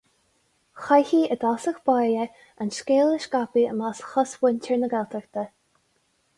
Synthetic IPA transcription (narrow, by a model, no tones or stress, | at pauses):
xajhiːəd̪asəxb̥ajə | anʃkeːləʃkapiə̰masxɔswɪnʲtʰɛɹnəɡɛlt̪ʰəɹt̪ə